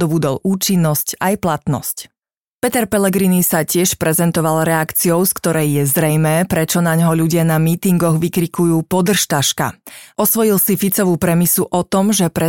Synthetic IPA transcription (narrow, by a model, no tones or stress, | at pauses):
d̪ɔbud̪ɔlʔuːt͡ʃinːɔscajplat̪nɔ̰sc | pɛt̪ɛɾpɛlɛɡɾinisacɪɛʃpɾɛzɛnt̪ɔʋalɾɛakt͡siɔʊskt̪ɔɾɛjːɛzɾɛjmɛːpɾɛt͡ʃɔnaɲɦɔʎuɟɪanamiːt̪iŋɡɔɣʋikɾikujuːpɔd̪r̩ʃt̪aʃka̰ʔɔsʋɔjilsifit͡sɔʋuːpɾɛmisuʔɔt̪ɔmʒɛpɾɛ